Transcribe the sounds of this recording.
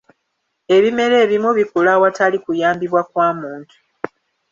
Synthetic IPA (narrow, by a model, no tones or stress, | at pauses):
e̞βime̞ɾe̞ːβimuβikulawatalikujaːmbiβwakwaːmuːntu̥